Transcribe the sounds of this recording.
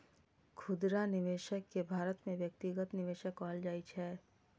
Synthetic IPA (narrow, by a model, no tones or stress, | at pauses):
kʰʊd̪ɾanɪʋeːʃəkːebʱaːɾət̪mẽʋjək̚t̪ɪɡət̪nɪʋeːʃəkaːld͡ʒaːit͡ʃʰɛː